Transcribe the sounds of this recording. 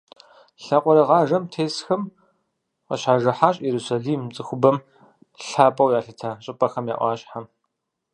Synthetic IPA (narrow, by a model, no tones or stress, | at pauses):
ɬaqʷɔɾɐʁɑːʒɐmtʰeːsxɐm | qɐ̰ɕaːʒɐħaːɕʼjɛɾusaɮiːmt͡sʼɨxʷʊbɐm | ɬaːpʼɐwjaːɬɐtʰaːɕʼɪpʼɐxɐmja̰ːʔʷɑːɕʼħam